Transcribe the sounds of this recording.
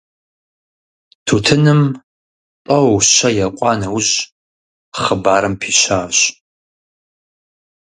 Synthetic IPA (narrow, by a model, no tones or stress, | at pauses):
tʰuːtʰɨnɨm | tʼɐwwɕɐjɐqʷʼɑːnɐwʊʑ | χəbaːɾɨmpʰiːɕaːɕ